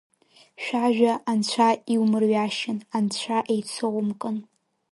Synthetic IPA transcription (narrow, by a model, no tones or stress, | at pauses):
ʃᶣaʒᶣaʔːnt͡ɕʷʰaiwmɨrɥaʃɪnant͡ɕʷʰaʔejt͡sʰowmkʼɨn